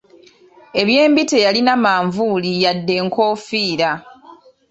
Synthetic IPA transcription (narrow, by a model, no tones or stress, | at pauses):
e̞βje̞ːmbitejalinamaːɱvuːlijadːe̞ŋko̞ːfiːɾa